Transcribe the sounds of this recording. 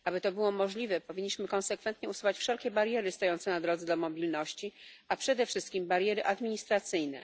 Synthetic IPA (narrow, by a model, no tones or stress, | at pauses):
ʔabɘt̪ɔbɘwɔmɔʐlʲivɛpɔvʲiɲːiɕmɘkɔnsɛkfɛnt̪ɲɛusuwat͡ɕfʂɛlkʲɛbaɾjɛɾɘst̪ɔjɔnt̪sɛnad̪ɾɔd̪zɛd̪ɔmɔbʲilnɔɕt͡ɕi | apʂɛd̪ɛfʂɘst̪̚kʲimbaɾjɛɾɘʔad̪mʲiɲist̪ɾat̪sɘjnɛ̰